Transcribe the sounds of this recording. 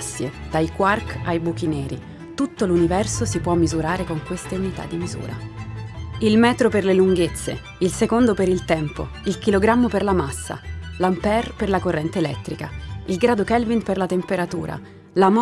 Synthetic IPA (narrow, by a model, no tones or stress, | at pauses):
sːjḛd̪̥ajkwarkajbuk̟inɛːɾḭ | t̪ut̪ːolunivɛrsosipwɔmːizuɾaːɾekoŋkwest̪eunit̪a̰d̪ːimizṵːɾa̰ | ilmɛːt̪ɾoperleluŋɡet̪sːḛ | ilsekond̪opeɾilt̪ɛmpo̰ | ilkiloɡɾamːoperlamasːa̰lampɛrperlakorːɛnt̪eːlɛt̪ːɾikailɡɾaːd̪okɛlvinperlat̪empeɾat̪uːɾʔa̰ | lam